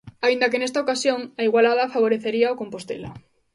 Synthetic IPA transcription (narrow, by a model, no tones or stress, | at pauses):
aind̪ɐakenest̪aokasjoŋaiɣwalaðafaβ̞oɾeθeɾiaokompost̪ḛla̰